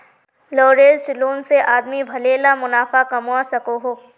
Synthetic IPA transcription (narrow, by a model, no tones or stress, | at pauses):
loːɾeːsʈloːnseʔaːd̪mibʱɐleːlamʊnaːfakɐmuasɐkoɦoː